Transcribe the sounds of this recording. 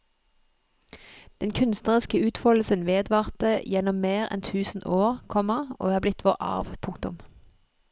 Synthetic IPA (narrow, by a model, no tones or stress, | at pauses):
d̪̥ɛnkʰʉnst̪nəʁɪskəʉːt̪fɔll̩sənʋeːd̪ʋɑːʁt̪əjɛnɔmːeːʁɛ̰nt̪ʰʉːsn̩ʔoːʁkʰɔməʁʔo̰ːhɑːblɪt̪ʰʋoːʁɑ̰ʁʋpʰʊŋkt̪ʊm